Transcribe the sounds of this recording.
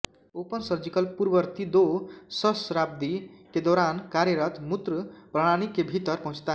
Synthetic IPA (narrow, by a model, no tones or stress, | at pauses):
opʌnsʌɾd͡zikʌlpuɾbʌɾt̪id̪osʌsɾab̚d̪iked̪oɾankaɾjʌɾʌt̪mut̪rprʌɽ̃aɽ̃ikːebʱit̪ʌɾpʌɦũt͡sʰt̪aɦ